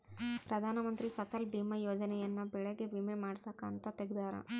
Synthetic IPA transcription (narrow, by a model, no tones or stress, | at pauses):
pɾɐd̪ʱaːnɐmɐnt̪ɾipʰɐsɐlɖimɐjoːd͡ʒɐnɛjɐnːɐbɛɭeɡe̞ʋimemaːɽsɐkaːnt̪ɐt̪eɡed̪aːɾɐ̰